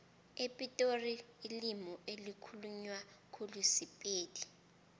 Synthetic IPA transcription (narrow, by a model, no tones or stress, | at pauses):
epʼitʼoriːlimɔelikʰuluɲwakʰolusipʼeːdi